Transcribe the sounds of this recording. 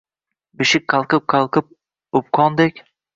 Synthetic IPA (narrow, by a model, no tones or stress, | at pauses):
bɪʃɪk̚ʲqʰɑlˠqɨp̚qʰɑlˠqʰɨp̚ | ʊp̚qʰɒnd̪ekʲ